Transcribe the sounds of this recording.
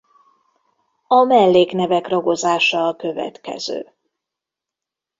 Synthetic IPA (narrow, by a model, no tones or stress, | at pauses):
ɒmɛlːeːknɛvɛkrɒɡo̞zaːʃɒːkø̞vɛ̰t̪kɛ̰z̥ø̰ː